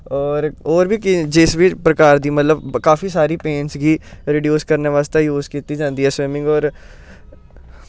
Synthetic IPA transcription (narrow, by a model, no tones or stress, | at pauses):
ɔːɾɔːɾbʱiːkɪd͡ʒɪsbiːpɾəkaːɾd̪iːmət̪ləbkaːfʰiːsaːɾiːpẽːnsɡiːɾiɖijuːskəɾneːʋaːst̪eːjuːzkiːt̪iːd͡ʒãːnd̪iːɦɛːsʋɪːmɪ̃ŋɡɔːɾ